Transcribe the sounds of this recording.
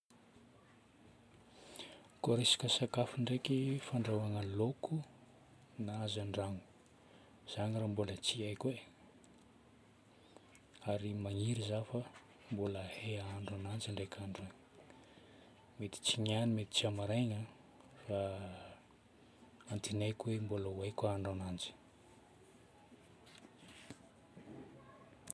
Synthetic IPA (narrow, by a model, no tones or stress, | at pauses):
koɾesḁkəsakafiɳɖ͡ʐekifaɳɖ͡ʐawaŋalokʰu | naazaɳɖ͡ʐaŋu̥ | z̥aɲirambulət͡siajkʲwe | aɾimaŋiɾizafə | mbuləheaɳɖ͡ʐanand͡ʒaɳɖ͡ʐekʰaɳɖ͡ʐaŋ | met̪i̥t͡siɲanimet̪i̥t͡siamaɾajɲa | fa | ant̪inajkwembolawajkaɳɖ͡ʐanand͡ʒi̥